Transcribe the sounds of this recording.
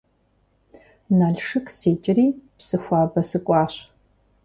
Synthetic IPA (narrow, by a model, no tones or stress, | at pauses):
naːɮʂɨkseːt͡ʃʼɪriːpsɨxʷɑːbɐsɨkʷʼɑːɕ